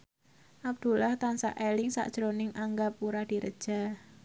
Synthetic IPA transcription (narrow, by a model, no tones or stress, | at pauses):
ʔab̚d̪̥ṳlaht̪ansa̰ʔelɪŋsa̰ʔd̥ʒ̥ɾonɪŋʔaŋɡapuɾad̥i̤ɾə̰d̥ʒ̥a̤